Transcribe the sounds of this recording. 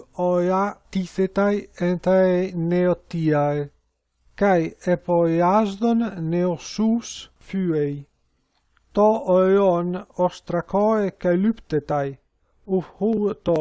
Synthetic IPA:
ɔeat̪iθet̪ajɛnt̪aeneot̪iae | kajepoeazd̪onːeosus | fyej | t̪ɔoɔnɔst̪ɾakɔekajlypt̪et̪aj | ufhut̪ɔ

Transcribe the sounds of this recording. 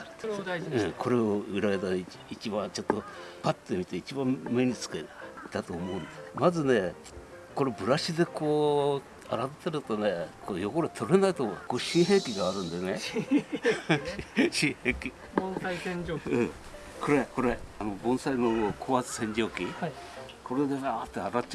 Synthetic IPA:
ɯ̃kʰo̞ɾe̞oɯɾaɡet̪a | it͡ɕibãnt͡ɕot̪ːopat̪ːemʲit̪eit͡ɕibãmmeɲ̟it͡sɨ̥ket̪at̪o̞ːmo̞ɯ̟̃nd̪esmazɨne̞ | ko̞ɾe̞bɯ̟ɾaɕid̪e̞koː | aɾat̪t̪eɾɯ̟t̪o̞ne̞kʰoːjo̞koɾet̪ʰo̞ɾe̞nait̪o̰koːɕĩɰɦe̞ːkʲiɡaːɾɯ̟̃nd̪ene | ɕĩheːkʲi | bõsaisẽɲd͡ʒoɯ̃ | koɾeko̞ɾeano̞bõ̞ɰ̃sainomokʰo̞ːat͡sɨ̥sẽ̞ɲd͡ʑo̞ːkʲi | kʰo̞ɾed̪eat̪ːeaɾaa

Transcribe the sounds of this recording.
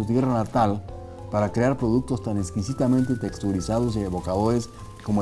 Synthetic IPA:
ut̪jeranat̪al | paɾakɾeaɾpɾo̞ðuk̚t̪ost̪aneskisit̪amẽnt̪et̪ekst̪uɾisaðoseeβo̞kaðoɾes | komo

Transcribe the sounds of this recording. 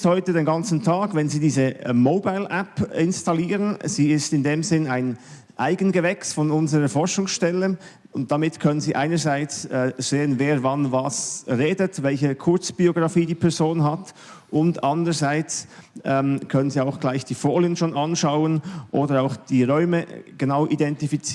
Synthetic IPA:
thɔʏtədeːnɡɑnt͡sn̩tʰaːɡvɛnziːdiːzəmoʊbaɪlʔɛpɪnstaliːʁənz̥iːɪstɪndeːmzɪnaɪn | ʔaɪɡənɡəvɛksfɔnʊnzəʁəfɔɹʃʊŋsʃtɛlə | ʊnt̚d̥amɪtkʰœnənziːʔaɪnəzaɪt͡sɛːz̥eːənveːɾvɑnvɑsʁeːdətvɛlçəkʰʊɐt͡sb̥ioɡʁɑfiːdiːpʰɛɐzoːnɦat | ʔʊndɑndəʁəzaɪt͡sʔɛːmkʰœnənziːaʊxɡ̥laɪçd̥iːfoːlənʃoːnɑnʃaʊənʔoːdəɾaʊxd̥iːʁɔʏməɡ̥ənaʊʔidɛntifit͡sː

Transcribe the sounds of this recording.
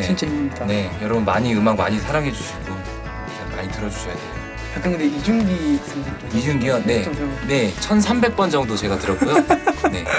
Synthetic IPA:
eint͡ɕidne̞jʌɾʌbunmaɲiɯmaŋma̰ɲisʰaɾaŋɦe̞d͡ʑuɕʰiɡo | ama̰ɲitɯɾʌd͡ʑuɕʰʌjade | ak͈ɯŋɡɯndeid͡ʑuŋɡi | id͡ʑuŋɡijʌne̞ne̞t͡ɕʰʌnsʰambe̞k̚p͈ʌnd͡ʑʌŋdot͡ɕe̞ɡatɯɾʌkujone̞

